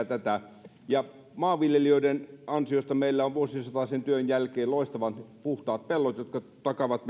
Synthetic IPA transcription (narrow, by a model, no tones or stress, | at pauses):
t̪æt̪æ | jɑ | mɑːʋʋiljelioidenɑnsiost̪ɑmeilːæoʋʋuosisɑt̪ɑsent̪yønjælkeːloˑist̪ɑʋɑnpuht̪ɑːt̪̚pelːot̪jot̪kɑt̪ɑkɑʋɑt̪m